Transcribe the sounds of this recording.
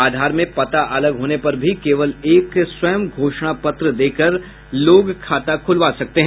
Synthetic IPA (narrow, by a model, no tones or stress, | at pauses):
aːd̪ʱaːɾmẽpɐt̪aʔɐləɡɦoːnepɐɾbʱikeːʋəleːkswɐjəmɡʱoːʃɽ̃apɐt̪ɾəd̪eːkəɾ | loːɡkʰaːt̪akʰʊlʋaːsɐk̚t̪eɦɛ̃